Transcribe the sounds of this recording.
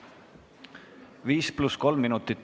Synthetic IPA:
viːsplusko̞lmmːinut̪ˑit̪ːˑ

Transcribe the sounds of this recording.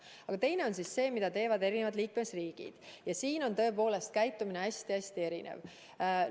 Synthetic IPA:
ɑɡ̥ɑt̪e̞jne̞o̞nsisːe̞ːmid̪̥ɑt̪e̞ːvɑd̪̥e̞ɾinevɑd̪liːkmesriːɡ̥ḭd̪̥jɑsiːno̞nt̪ɤ̞e̞po̞ːle̞st̪̚kæjt̪ːˑumineæsʲt̪iæsʲt̪ie̞ɾinḛv

